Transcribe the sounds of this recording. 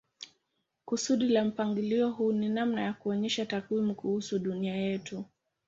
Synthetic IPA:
kusuɗilam̩paŋɡiliɔɦuːninamnajakuɔɲɛʃatakwimukuhusuɗuniajɛtu

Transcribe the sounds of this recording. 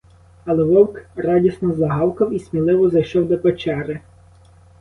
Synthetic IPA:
ɐlˠɛʋɔwkrɑdʲisnɔzlˠɐɦɑwkɐwisʲmʲilˠɪʋɔzɐjʃɔwd̪ɔpet͡ʃɛɾɪ

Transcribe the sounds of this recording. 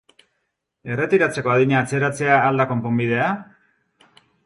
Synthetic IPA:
e̞re̞t̪iɾat͡se̞ko̞aðiɲaːt͡se̞ɾat͡se̞aːld̪ako̞mpo̞mbiðe̞a

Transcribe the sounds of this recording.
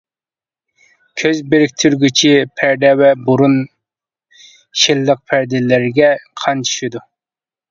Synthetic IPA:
kʲʰøzbeɾɪk̚ʲt̪ʰyɾɡʲyt͡ʃʰipʰæɾd̪ɛwɛbuɾun | ʃilːəq̚pʰæɾd̪ɪlɪɾɡʲɛqʰɑnt͡ʃʰy̥ʃid̪u

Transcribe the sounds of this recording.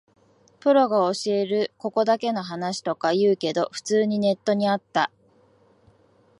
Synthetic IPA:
pɯ̟ɾo̞ɡao̞ɕie̞ɾɯ̟ko̞ko̞d̪ake̞no̞ɦanaɕi̥t̪o̞kajɯ̟ːke̞d̪o̞ɸɯ̟̥t͡sɨːɲ̟ine̞t̪ːo̞ɲ̟iat̪ːa

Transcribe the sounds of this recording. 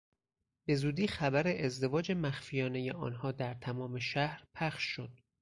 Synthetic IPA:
b̥e̞zuːd̪iːxæbæɾeʔezd̪e̞vɒːd͡ʒe̞mæxfijɒːne̞je̞ʔɒ̰ːnhɒːd̪æɾt̪ʰæmɒːme̞ʃæhɾpʰæχʃːo̞d̪̥

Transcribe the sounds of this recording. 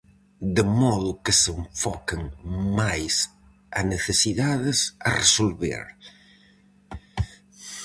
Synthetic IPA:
d̪əmɔðʊkəseɱfɔkɪŋmajs | ɐneθesiðaðɪsɐ̰resolβḛɾ

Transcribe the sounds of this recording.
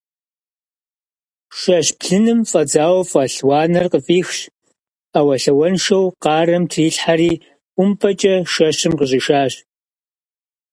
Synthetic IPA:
ʃɐɕpʰɬɨnɨmfʼɐd͡zaːwɐfʼɐɬwɑːnɐrqəfʼiːxɕ | awɐɬɐwɐnʃɐwqɑːrɐmtʰiːɬħaɾiː | ʊmpʰʼɐt͡ʃʼɐʃɐɕɨmqəʑɪʃaːɕ

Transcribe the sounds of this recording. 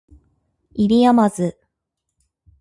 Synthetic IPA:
iɾʲiamazɨ

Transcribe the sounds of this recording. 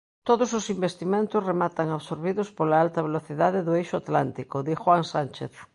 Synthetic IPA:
t̪oðososimbest̪imẽnt̪ozremat̪aŋaβsoɾβiðospolaalt̪aβ̞eloθiðaðeðoejʃoat̪lant̪ikoðixwaŋsant͡ʃḛθ

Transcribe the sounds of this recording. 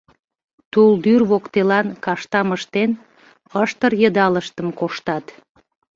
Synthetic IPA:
t̪uld̪yrβokt̪elɑnkɑʃt̪ɑməʃt̪en | əʃt̪əɾjəd̪ɑləʃt̪əmkoʃt̪ɑt̪

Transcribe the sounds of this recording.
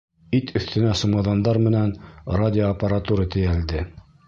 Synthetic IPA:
it̪ʰɵ̆θt̪ɘ̆næsumɑðɑnd̪ɑɾmɘ̆nænradʲɪoɐpəɾat̪uɾɤt̪ɘ̆jæld̪ɘ

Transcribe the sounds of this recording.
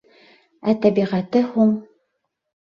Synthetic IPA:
æt̪æbiʁæt̪ɘhuɴ

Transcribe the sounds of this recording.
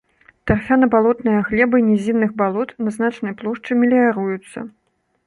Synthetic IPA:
t̪arfʲanɐbalˠɔt̪nɨjɐɣlʲɛbɐnʲɛzʲinːɨɣbalˠɔt̪nɐznat͡ʂnɐjplˠɔʂt͡ʂɨmʲilʲijaɾujut̪sːɐ̰

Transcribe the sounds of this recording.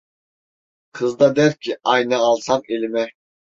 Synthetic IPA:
qʰɨzd̪ɑd̪ɛɾkʲʰiɑjnɑːlˠsɑmelmɛ

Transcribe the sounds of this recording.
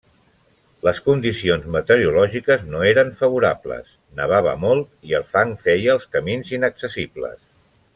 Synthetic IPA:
ləskund̪isionzmət̪əɾiulɔʒikəznoeɾəɱfəβuɾablə̰s | nəβ̞aβə̰molˠt̪iəlˠfaŋfɛjəːlˠskəminzinəksəsiblə̰s

